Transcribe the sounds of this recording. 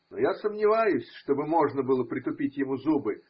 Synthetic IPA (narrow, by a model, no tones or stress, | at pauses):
nojasəmnʲɪvajʊsʲʂt̪o̞bɨmo̞ʐnəbɨlˠəpɾʲɪt̪ʊpʲitʲjɪmuzubɨ